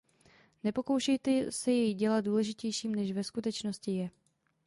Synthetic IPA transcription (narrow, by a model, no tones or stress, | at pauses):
nɛpo̞ko̞wʃɛjt̪ɛsɛjɛjɟɛlat̪̚duːlɛʒɪcɛjʃiːmnɛʃvɛskut̪ɛt͡ʃno̞scɪjɛ